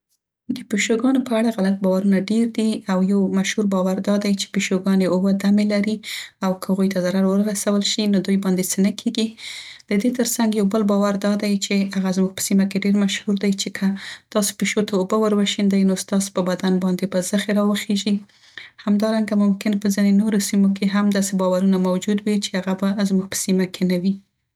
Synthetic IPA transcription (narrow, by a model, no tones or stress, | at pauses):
d̪əpeʃoɡɑnopəaɽaɣalat̪̚bɑwaɾunaɖeɾd̪iawjawmaʃhuɾbɑwaɾd̪ɑd̪ajt͡ʃe̥peʃoɡɑneobəd̪amelaɾiawkəhaɣujt̪azaɾaɾwəɾɾasawəlʃinod̪ujbɑnd̪et͡sənəkʰeɡid̪̥əd̪et̪əɾsaŋɡjawbəlbɑwaɾd̪ɑd̪ajt͡ʃeaɣazmuɡ̚pə̥simakeɖeɾmaʃhuɾd̪ajt͡ʃekʰət̪ɑso̥peʃot̪aobəwəɾwaʃind̪ajnost̪ɑspəbad̪anbɑnd̪ebəzəxeɾɑwəxeʒi | hamd̪ɑɾaŋɡamʊmkɪnpəzinenoɾosimokeɦamd̪ɑsebɑwaɾunamawd͡ʒud̪wit͡ʃeaɣabazmuɡ̚pə̥simakʰenawi